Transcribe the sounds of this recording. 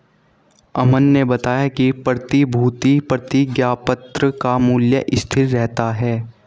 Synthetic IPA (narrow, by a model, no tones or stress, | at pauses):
ɐmənːebɐt̪aːjakipɾət̪ibʱuːt̪ipɾət̪ɪɡjaːpət̪ɾəkamuːljə̰ʔɪst̪ʰɪɾɾɛɦt̪aɦɛː